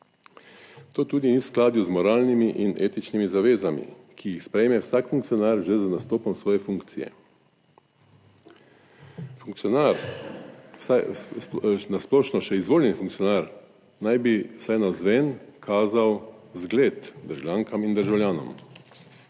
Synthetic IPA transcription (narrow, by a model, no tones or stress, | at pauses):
t̪oːt̪uːd̪inisklaːd̪juzmɔɾaːlnimiʔineːt̪it͡ʃnimizaʋeːzamḭkʰijixspɾɛjmɛwsaːkfuŋkt̪sijɔnaːɾʒɛznast̪oːpɔmsʋɔːjɛfuŋkt̪sijɛ̰ | fuaɾ | nasplɔːʃnɔʃɛizʋoːljɛnifuŋk̚tsijɔnaːɾ | najbiwsajnazʋɛnkʰaːzawzɡleːt̪d̪əɾʒawljaːŋkamind̪əɾʒawljaːnɔ̰m